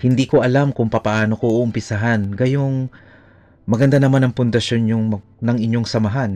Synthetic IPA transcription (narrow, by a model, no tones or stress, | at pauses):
hɪnd̪iːko̞ʔɐlamkʊŋpɐpɐʔaːno̞koʔoʔʊmpɪsaɦanɡɐjoŋ | mɐɡɐnd̪anɐmanɐŋpʊnd̪ɐʃo̞njʊŋmɐ | nɐŋɪɲjo̞ŋsɐmɐɦan